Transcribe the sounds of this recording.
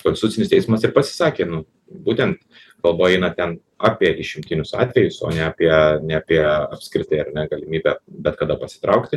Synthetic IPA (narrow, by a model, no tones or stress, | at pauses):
konsʲt̪ʊt͡s̪ʲsʲɪnɪst̪ʲɛɪsmɐsɪrpɐsʲɪ̥sɑːkʲeːnʊ | buːt̪ʲɛnt̪ | kɐlˠboːjɛɪnɐt̪ʲɛn | ɑːpʲiɛd̪ʲɪʃʲɪmʲt̪ʲɪnʲʊsɑ̰ːt̪ʲʋʲɛjʊso̰ːnʲɛɐpʲiɛnʲɛɐpʲiɛɐpʲsʲkɾʲɪt̪ɐɪɐrnʲɛɡɐlʲɪmʲiːbʲæbʲɛt̪kɐd̪ɐpɐsʲɪ̥t̪ɾɐʊkt̪ʲɪ